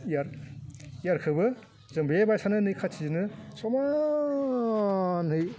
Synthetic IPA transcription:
jaɾ | jaɾkʰɯbɯ | zɯmbebajsanɯnɯjkʰasʰizinɯsɔma | nhɯj

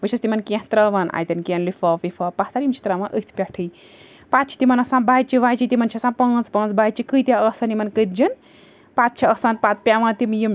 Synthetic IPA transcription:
ʋɨʃʰɐst̪imɐnkẽht̪ɾɐʋaːnʔa̰ːjt̪ʲɐnkenlifɐʋifʰɐpaht̪aɾimt͡ʃʰi̥t̪ɾɐʋãnʔɨt̪ʰpʲɐʈʰɨj | pat̪̚t͡ʃʰi̥t̪imɐnɐsãːbaːjt͡ʃiʋajt͡ʃit̪imɐnt͡ʃʰisãːnpɐ̃ːnt͡spɐ̃ːnt͡sbaːt͡ʃikɨjt̪ʲaəsɐnimɐnkɨt̪d͡ʒɨn | pat̪̚t͡ʃʰiəsanpaːt̪̚pʲaʋãːnt̪imjim

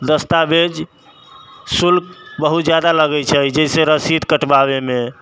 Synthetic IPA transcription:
d̪əst̪abed͡ʒ | sulkbəɦut̪d͡ʒjad̪aləɡɛt͡ʃʰəid͡ʒɛseɾəsid̪kəʈbabeme

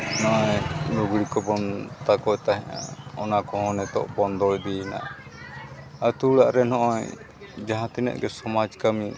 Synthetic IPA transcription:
nɔʔɔjnuɡɽikɔbɔnt̪akɔjt̪aɦɛ̃ʔã̰ɔnakɔɦɔ̃nɛt̪ɔ̰ʔbɔnd̪ɔld̪iɛna̰ | ət̪ulaʔɾɛnɔʔɔj | d͡ʒaɦãt̪inə̰ʔ̪̚ɡɛsɔmad͡ʒkami

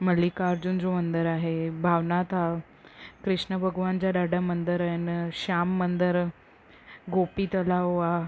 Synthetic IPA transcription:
məlikaɾd͡ʑund͡zomənd̪əɾaɦebʱaʋnat̪a | kɾiʂnəbʱəɡʋant͡ɕjaɖ̪aɖamənd̪əɾənɕamːənd̪əɾ | ɡopiːt̪əlaʋoa

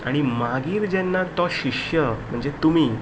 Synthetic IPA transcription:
a̰ɽ̃imaɡiːɾd͡ʑɛnːat̪ɔɕiʂjəm̤əɳd͡zet̪umiː

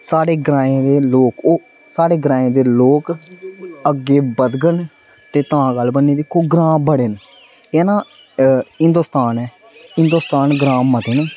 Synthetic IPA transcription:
saːɽeːɡɾãːẽːd̪eːloːkoː | saːɽeːɡɾãːẽːd̪eːloːk | əɡːeːbəd̪ɡəɳ | t̪eːt̪ãːɡəlbənːeːd̪eːkoːɡɾãːbəɽeːn | eːnãː | ɪnd̪oːst̪aːnɛː | ɪ̃nd̪oːst̪aːnɡɾãːət̪eːnː

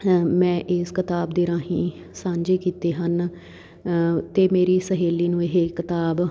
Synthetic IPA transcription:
mɛ̃ːʔɪskɪt̪aːbd̪iːɾãːɦĩː | sãːɲd͡ʒeːkiːt̪eːɦən | t̪eːmeːɾiːsəɦeːliːnũːɪɦeːkɪt̪aːb

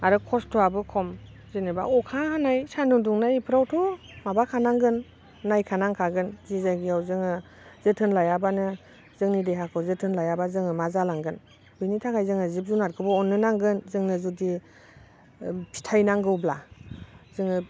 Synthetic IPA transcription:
aɾɯkʰɔstʰɔabɯkʰɔm | zinɯba̰ʔɔkʰahanajsanduŋduŋnajpʰɯɾawtʰɔ | mabakʰanaŋɡɯnː | ajkʰanaŋkʰaɡɯnzizajɡijawzɯŋɯ | zɯtʰɯnlajabanɯ | zɯŋnidejɦakʰɯwzɯtʰɯnlajabazɯŋɯmazalaŋɡɯn | bɯjnitʰakʰajzɯŋɯzip̚zunat̚kʰɯbɔɔnːɯnaŋɡɯnzɯŋnɯzudi | pʰi̥tʰajnaŋɡɯwbla | zɯŋɯ

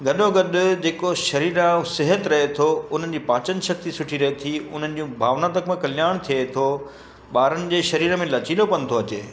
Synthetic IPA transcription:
ɡʱɐɗoɡɐɗʊd͡ʑeːkoʃɐɾiːɾasɪɦət̪ɾɐɦet̪ʰoʊn̤ənɪ̆d͡ʑiːpãːt͡ɕənɪ̆ʃɐk̚t̪isʊʈʰiɾɐɦet̪ʰiʊn̤ənɪ̆d͡ʑũbʱaːʋnat̪̬əkmẽkɐlɪjaːɽ̃t̪ʰiet̪ʰo | ɓaːɾənɪ̆d͡ʑeːʃɐɾiːɾmẽlɐt͡ɕiːlopɐnɪ̆t̪ʰoɐt͡ɕeː

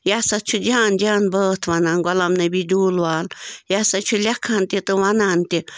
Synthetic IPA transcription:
jasat͡ʃʰud͡ʒand͡ʒanbət̪ʰwananɡʷwʷalamnabid̪ulwaljasat͡ʃʰulʲakʰant̪ʲit̪ɨwanant̪ʲi

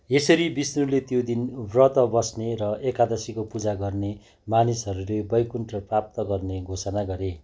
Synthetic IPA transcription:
esʌɾibisnulet̪jod̪inbrʌt̪ʌbʌsneɾʌekad̪ʌsikopud͡zaɡʌrne | manisʌɾulebʌjkunʈrʌprap̚t̪ʌɡʌrneɡʱosʌnaɡʌɾe

